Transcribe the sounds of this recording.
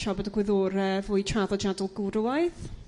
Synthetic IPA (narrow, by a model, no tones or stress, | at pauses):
ʃɔbɛdəɡwɪðoːɾəvʊːjtʰraðɔd͡ʒadʊlˠɡuɾwajθ